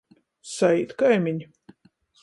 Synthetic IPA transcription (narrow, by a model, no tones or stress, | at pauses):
saiːt̪kajmʲiɲ